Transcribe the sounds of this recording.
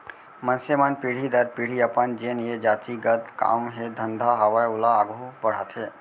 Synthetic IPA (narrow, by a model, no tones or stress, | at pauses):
mənsemanpiːɽ̤id̪əɾpiɽ̤iəpənd͡ʒenjed͡ʒaːt̪iɡəd̪ka̰ːmɦed̪ʱənd̪ʱaɦɐʋajʊlaːɡʱubɐɽ̤a̰ːt̪ɦeː